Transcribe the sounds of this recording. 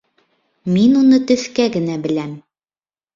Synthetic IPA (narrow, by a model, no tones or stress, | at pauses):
minunɤt̪ɵ̆θkæɡɘ̆næbɘ̆læm